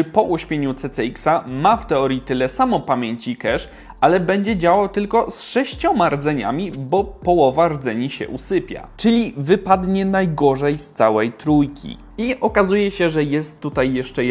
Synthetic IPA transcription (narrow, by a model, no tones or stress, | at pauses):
pɔʔuɕmʲjeɲut̪sɛt̪sɛiksamaft̪ɛɔɾjit̪ɘlɛsamɔpamʲjeɲt͡ɕikɛʂ | alɛbɛɲd͡ʑɛd͡ʑawawt̪ɘlkɔsʂɛɕt͡ɕɔmaɾd̪zɛɲa̰mʲibɔpɔwɔvaɾd̪zɛɲiɕɛ̰ʔusɘpʲja̰t͡ʂɘlʲivɘpad̪ɲɛnajɡɔʐɛjst̪sawɛjt̪ɾujkʲʰḭ | iɔkazujɛɕɛʐɛjɛst̪ːut̪ajːɛʂt͡ʂɛ